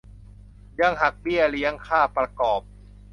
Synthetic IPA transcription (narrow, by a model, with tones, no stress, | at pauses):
ja˧ŋɦa˨˩k̚bi˥˩əli˦˥əŋkʰaː˥˩pɾa˧kɔː˨˩p̚